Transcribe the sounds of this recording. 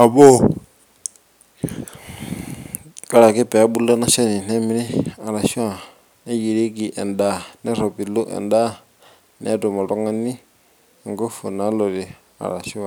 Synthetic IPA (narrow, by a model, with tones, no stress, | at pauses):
a˨bɔ˦ | kʼa˦ɺa˨kɛ˦pɛ˨a˦bu˦lɔ˦na˦ʃa˦ni˨nɛ˦mi˦ɾi˦a˨ɺa˨ʃi˦wa˨ | nɛ˦ji˨ɾi˦ki˨ʔɛ̰˨nda˨nɛ˦ɾɔ˨pi˨lɔ˦ʔɛ̰˨nda˦ | nɛ̰˨˦tɔ˨mɔ˨ɺɔ˦ŋa˦ni˦˨ | ŋɡo˦fu˨na˦lɔ˨ɾi˨ | a̰˨ɾa̰˨ʃi˦wa˨